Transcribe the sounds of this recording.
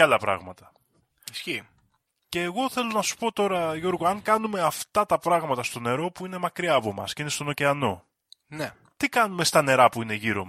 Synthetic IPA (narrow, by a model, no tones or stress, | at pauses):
ɐlɐpɾɐ̰ɣmɐt̪ɐ̥ | isçi | ce̞ːɣo̞θe̞lo̞nɐsu̥po̞t̪o̞ɾɐʝo̞ɾɣoɐŋkɐnume̞ɐft̪ɐt̪ɐpɾɐɣmɐt̪ɐst̪o̞ne̞ɾo̞puine̞mɐkɾiɐːpo̞mɐ̰sceine̞st̪o̞no̞ceɐno̞̰ | ne | t̪ikɐnume̞st̪ɐne̞ɾɐpuine̞ʝiɾo̞̰m